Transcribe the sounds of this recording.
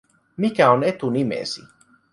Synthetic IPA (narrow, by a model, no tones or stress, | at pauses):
mikæonet̪unimḛsi